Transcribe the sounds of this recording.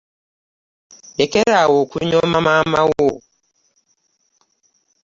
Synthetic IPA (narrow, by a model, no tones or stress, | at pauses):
jɛkɛɾawokuɲɔmamamawo